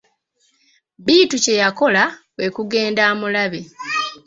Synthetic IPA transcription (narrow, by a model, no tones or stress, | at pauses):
biːtuce̞jako̞lawe̞kuɡe̞ːndaːmulaβe̞